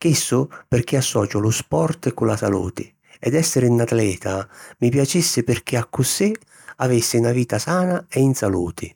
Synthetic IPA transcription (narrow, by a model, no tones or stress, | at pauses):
k̟isːʊpɪrk̟iasːɔːt͡ʃɔlʊspɔrt̪kulasalṵːt̪ɪ | ɛd̪ɛsːɪɾinat̪lɛːt̪ʰamipjat͡ʃisːɪpɪrk̟iakːʊsi | avisːɪnaviːt̪asaːnaɛinsalṵːt̪ʰɪ